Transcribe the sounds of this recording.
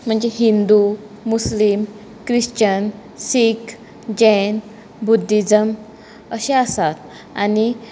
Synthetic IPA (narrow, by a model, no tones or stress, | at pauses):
m̤əɳd͡zeɦind̪u | muslim | kɾiɕt͡ɕən | sik | d͡ʑɛn | bud̪ʱːid͡zəm | əɕeasat̪̚ | a̰ni